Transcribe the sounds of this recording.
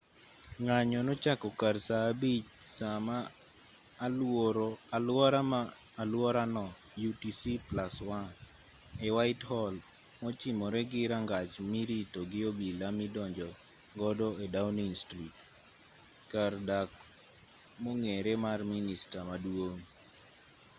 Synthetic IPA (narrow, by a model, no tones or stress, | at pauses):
ŋaɲɔnɔt͡ʃakɔkarsaːbit͡ʃsamaː | loɾɔalwɔɾamaː | lwɔɾanɔ | jutisiplaswan | ɛwaɪthɔlmɔt͡ʃimɔɾɛɡɪɾaŋɡat͡ʃmiɾitoɡɪobilamidɔɲd͡ʒɔ | ɡɔdɔedawniŋstrit | kardak | moŋeɾɛmarministamadwoŋ